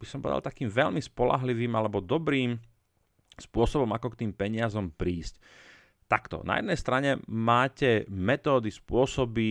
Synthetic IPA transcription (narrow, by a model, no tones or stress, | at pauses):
b̥isɔmpɔ̰ɛd̪a̰lt̪akiːmʋɛʎmispɔla̰ɦliʋiːmalɛbɔd̪ɔbɾiːm | spʊɔsɔbɔmakɔkt̪iːmpɛɲɪazɔmpɾiːsc | t̪akt̪ɔ̰na̰jɛ̰d̪nɛjst̪ɾaɲɛmaːcɛmɛt̪ɔːd̪ispʊɔsɔbi